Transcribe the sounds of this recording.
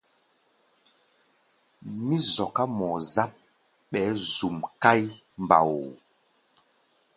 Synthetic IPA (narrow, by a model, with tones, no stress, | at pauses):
mi˦zɔ˨ka˦mɔ˨za˦p̚ | ɓɛ˨˦zu˨mka˦j | mba̰˨wo˨